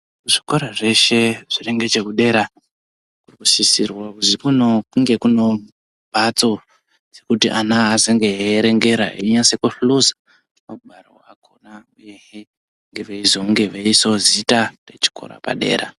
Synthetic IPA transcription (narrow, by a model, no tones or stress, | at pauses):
kuʐikoɾaʐe̞ʃe̞ʐ̥ireŋɡe̞t͡ʃekuɗe̞ɾa | kurikuʃisirwakuzikunouŋɡe̞kuno̞ | bʱat͡so̞ | d͡ze̞kutiʔanaːzeŋɡeeɾe̞ŋɡe̞ɾaʔḛɲase̞kuɬuza | maɡʱwaro̰akʰo̞naujeɦe | ŋɡeʋeizo̞ŋɡe̞ʋeiso̞zitaret͡ʃi̥ko̰ɾa̰pa̰ɗe̞̰ːɾa̰